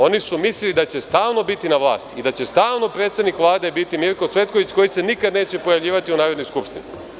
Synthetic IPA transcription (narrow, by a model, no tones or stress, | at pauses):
o̞nisumislilid̪at͡ɕest̪aːlno̞bit̪inaʋlˠa̰ːst̪iid̪at͡ɕe̞st̪aːlnopɾet̪sed̪nikʋlˠaːd̪e̞bit̪imiɾko̞t̪sʋe̞t̪koʋit͡ɕko̞jise̞nikad̪ne̞ːt͡ɕe̞po̞jaʋʎʲiːʋat̪iunaːɾod̪no̞jskupʃt̪ini